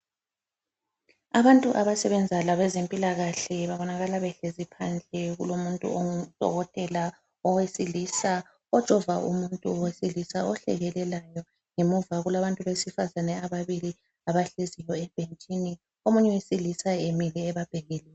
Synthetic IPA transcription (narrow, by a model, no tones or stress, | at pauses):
aβantʼuʔaβasɛβɛnd͡zʱalaβɛzempʼilaɣaɬɛβaβɔnaɣalaβɛɬezipʰand͡ɮʱɛɣṵlomuntʼṵod̥ʱɔ̰ɣɔtʼɛla | ɔwesilisa | ɔd̥ʒ̥ʼʱɔvaʔṵmuntʼuɔwesilisaɔɬɛ̰ɣɛlɛlajɔ | ŋemuvaɣulaβantʼuβesifazanɛaβaβili | aβaɬezijɔɛb̥ʱent͡ʃʼini | omuɲɛwesilisaemilɛːβab̥ʱeɣilɛ